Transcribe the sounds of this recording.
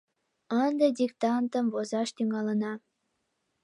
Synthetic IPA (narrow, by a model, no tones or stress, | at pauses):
ənd̪edʲikt̪ɑnt̪əmvozɑʃt̪yŋɑlənɑ